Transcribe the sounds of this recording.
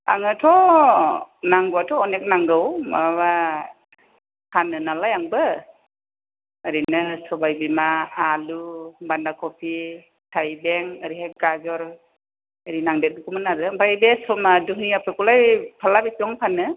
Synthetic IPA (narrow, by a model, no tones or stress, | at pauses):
a̰ŋɯtʰɔ | naŋɡuatʰɔːnek̚naŋɡɯwmawa | pʰanɯnalajaŋbɯ | ɾinɯsɔbajbimaːlubandakʰɔpʰi | tʰajbeŋaɾihaɡazɔɾ | əɾinaŋdet̚nkumɯnalɯmpʰajbesɔmadukniapʰekulajpʰalabesɔŋpʰanɯ